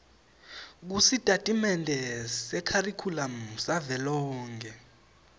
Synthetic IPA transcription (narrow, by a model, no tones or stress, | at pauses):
k̬usitʼatʼimɛndʱɛsɛkʰarikʰulam̩savɛlɔːŋk̬ʰʼɛ